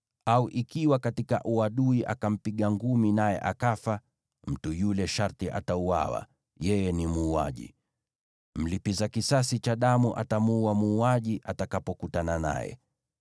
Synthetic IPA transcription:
auʔikiwakatikaʔuaɗuiʔa̰kam̩piɠaŋɡuminajɛ̰ʔakafa | m̩tujulɛʃaɾtiʔa̰taua̰wa̰ | jɛjɛnimuːa̰ʄḭ | m̩lipizakisasit͡ʃaɗamuʔa̰tamuuamuːaʄiʔatakapɔkutanana̰jɛ̰

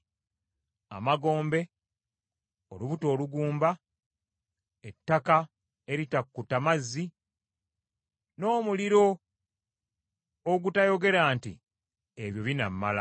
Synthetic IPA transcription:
a̰maɡo̞ːmbe̞ | o̞luβuto̞ːluɡuːmba | etːaka | e̞ɾitakːutamazːi | no̞ːmuliɾo̞ | ɡutajo̞ɡe̞ɾaːntḭ | eβjo̞βina̰mːala̰

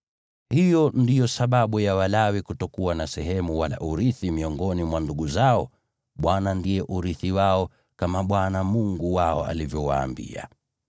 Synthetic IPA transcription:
hijɔndijɔsaɓaɓujawalawikutɔkuwanasɛɦɛmuwala̰ʔuɾiθimiɔŋɡɔnimwanduɠuzaɔ | ɓwanandiɛʔuɾiθiwaɔ | kamaɓwanamuŋɡuwaɔ̰a̰livjɔwa̰ːmbḭa̰

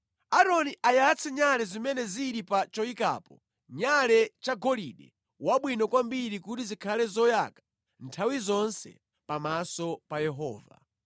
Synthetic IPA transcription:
aɾɔniʔajat͡sʰɛɲalɛzimɛnɛziɾipat͡ʃɔika̰ːpɔ | ɲalɛt͡ʃaɡɔliɗɛ̰ | waɓwinɔkwambiɾikutizikʰalɛzɔja̰kḁ | ntʰawizɔnsɛ̰ | pamasɔpajɛɦɔ̰ːva̰

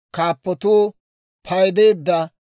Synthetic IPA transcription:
kaːpːɔt̪uː | pʰɐjd̪eːd̪ːɐ

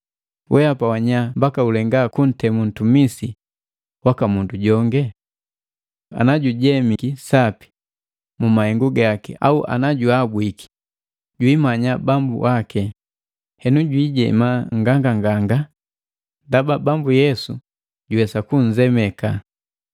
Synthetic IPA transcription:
wʔɛapawaɲambakaulɛŋɡakun̩tɛmun̩tumisi | wakamunduɟɔŋɡɛ | a̰naɟuɟɛmikisapi̥ | mumahɛŋɡuɡakɛ̰a̰uʔa̰naɟuabwiki̥ | ɟwiːmaɲabambṵwakɛ | hɛnuɟwiːɟɛ̰maŋɡaŋɡaŋɡaŋɡa | ndababambujɛsu | ɟuwɛsakuɲ̩d͡ʒɛmɛka

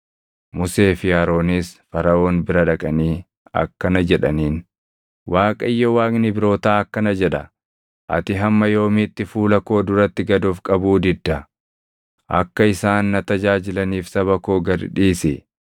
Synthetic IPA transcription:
mʊse̞ːfɪjaːɾo̞ːniːsfɐɾɐʔo̞ːnbɪɾɐᶑɐkʼɐniː | ɐ̰kːɐnɐd͡ʒɛᶑɐniːn | wʔaːkʼɐɪjːɔwaːkʼnɪbɪɾo̞ːt̪aːɐkːɐnɐd͡ʒɛᶑɐ̰ | ʔɐ̰t̪ɪɦɐmːɐjo̞ːmɪt̪ːɪfuːlɐko̞ːd̪ʊɾɐt̪ːɪɡɐd̪oːfkʼɐbuːd̪ɪd̪ːɐ | ʔɐ̰kːɐɪsaːnːɐt̪ɐd͡ʒaːd͡ʒɪlɐniːfsɐβɐkoːɡɐɾᶑiːsɪ

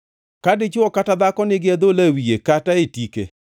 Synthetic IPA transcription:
kadɪt͡ʃʊɔkatad̪akɔnɪɡɪɛd̪olawijekataetikḛ

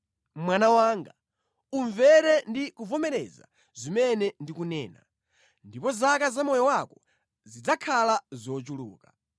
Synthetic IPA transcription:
mwanawaːŋɡa | uɱvɛɾɛndikuvɔmɛɾɛ̰za̰ | zimɛnɛndikunɛːna̰ | ndipɔzakazamɔjɔwakɔ̥ | zid͡zakʰalazɔt͡ʃuluːka

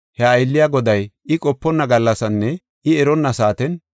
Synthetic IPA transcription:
hɛɐjlːɪjaɡɔd̪ɐjɪkʼɔpːɔnːɐɡɐlːɐsɐnːɛ | ɪɛɾɔnːɐsaːt̪ɛn

